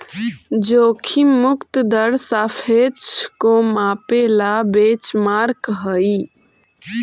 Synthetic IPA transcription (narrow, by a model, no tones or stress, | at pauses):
d͡ʒokʰimukt̪əd̪əɾsafʰet͡ʃʰkomapelabet͡ʃmaɾkɦəi